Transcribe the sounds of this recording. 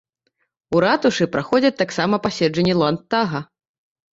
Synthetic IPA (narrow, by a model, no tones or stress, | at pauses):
uɾat̪uʂɨpɾaxɔd͡zʲɐt̪aksamɐpasʲɛd͡ʐɐnʲːɛlˠant̪ːaɣɐ